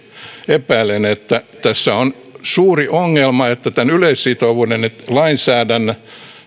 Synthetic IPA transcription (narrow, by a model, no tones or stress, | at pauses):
epæilːenet̪ːæt̪æsːæon | suːriʔoŋːelmɑet̪ːæt̪ænyleissit̪oʋuːnenet̪lɑinsæːdænːæ